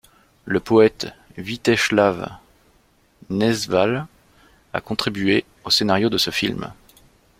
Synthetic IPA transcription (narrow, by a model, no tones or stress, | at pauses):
ləpɔɛt̪vit̪ɛʃlav | nɛzval | a̰kɔ̃t̪χibɥe | osenaʁjod̪əsəfḭlm